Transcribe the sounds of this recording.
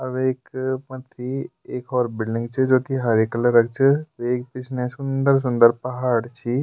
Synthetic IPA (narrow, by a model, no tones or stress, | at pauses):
ɐbeːkpɐt̪ʰi | eːkɔːɾbɪlɖɪ̃ŋɡt͡ʃʰid͡ʒoːkiɦɐɾikələɾɐk̚t͡ʃʰəʋeːk̚pɪt͡ʃʰnesʊ̃nd̪əɾs̬ʊ̃nd̪əɾpɐɦaːɽt͡ʃʰi